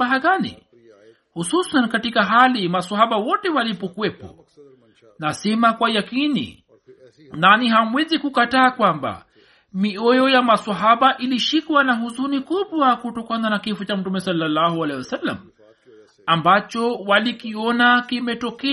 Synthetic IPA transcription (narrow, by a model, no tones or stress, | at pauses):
aɦaɣanḭ | hususankatikaɦalimaswaɦaɓawɔtɛwalipɔkuɛpɔ̰ | nasɛmakwajakinḭ | naniɦamwɛzikukataːkwamba̰ | miɔjɔjamaswaɦaɓaʔiliʃikwanaɦuzunikuɓwakutɔkananakifut͡ʃam̩tumɛsalːalːahualɛwasalːa̰m̩ | ambat͡ʃɔwalikiɔnakimɛtɔkɛ